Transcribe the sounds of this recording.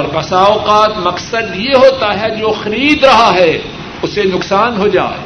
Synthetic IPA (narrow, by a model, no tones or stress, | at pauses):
ɔɾbɐsaːʊqaːt̪mɐqsəd̪jeɦoːt̪aɦɛd͡ʒoːxɐɾiːd̪ɾɐɦaɦɛ | ʊsenʊqsaːnɦoːd͡ʒa̰ː